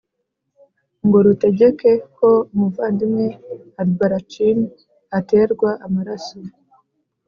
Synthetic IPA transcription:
ŋɡo̞ɾute̞ɟe̞ke̞ko̞muvaːndimŋe̞aɾɡaɾat͡ʃini | ate̞ːɾɡwaʔamaɾaso

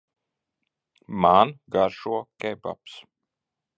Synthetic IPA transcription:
manɡaɾʃuɔkɛba̰ps

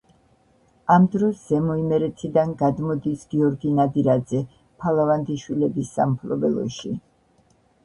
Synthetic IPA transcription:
amd̪ɾɔszɛmɔimɛɾɛt̪ʰid̪anɡad̪mɔd̪isɡ̥iɔɾɡinad̪iɾad̪zɛ | pʰalˠavand̪iʃwilɛbisːa̰mpʰlˠɔbɛlˠɔ̰ʃi

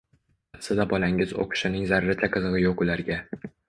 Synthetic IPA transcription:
at̪sɪd̪abɒlaŋʲɪzo̰qʰʊ̥ʃɪnɪŋzaɾɾat͡ʃ̪ʰaqʰɨzɨʁɨjoqʊlaɾɡʲa

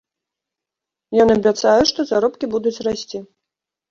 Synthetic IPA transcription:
jɔnɐbʲat̪sajɛʂt̪ɔzaɾɔpkʲibud̪ut͡sʲrasʲt͡sʲi

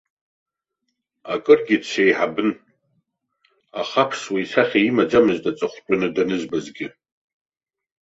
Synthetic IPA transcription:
akʼɨrɡʲidʃʷʰejħabɨn | a̰χapʰswijsaχʲaimad͡ʒamɨztʼat͡sʼɨχʷt͡ʃʼʊnɨdanɨzbazɡʲɪ

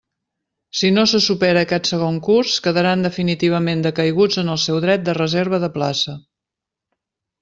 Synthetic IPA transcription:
sinosəsupɛɾəːkɛt̪səɣ̞oŋkurskəðəɾand̪əfinit̪iβ̞əmend̪əkəjɣud͡zənəlˠsɛwðɾɛt̪̚d̪ərəzeɾβ̞əðəplasə

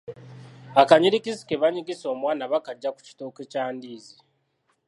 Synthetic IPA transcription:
akaɲiɾikisi̥keβaɲiɡiso̞ːmwaːnaβakaɟːaku̥ci̥to̞kecaːndiːzi

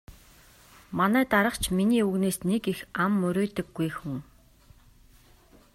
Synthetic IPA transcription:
manæːt̪aɾə̆qt͡ɕʰminiːuɣneːsnekixamːɵɾʲeːt̪ə̆ɡːujxuŋ

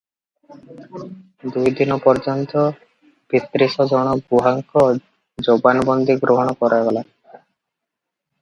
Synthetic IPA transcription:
d̪ujd̪inɔpɔɾd͡ʒɔnt̪ɔ | pit̪ːɾisɔd͡ʒɔɽ̃ɔɡuɦaŋkɔ | d͡ʒobanbɔnd̪iɡɾoɦɔɽ̃ɔkɔɾajɡɔla

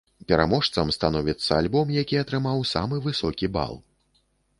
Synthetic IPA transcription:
pʲɛɾa̰mɔʂt̪sɐmst̪an̪ɔvʲit̪sːɐalʲbɔmjakʲiɐt̪ɾɨmawsa̰mɨvɨsɔkʲiba̰lˠ

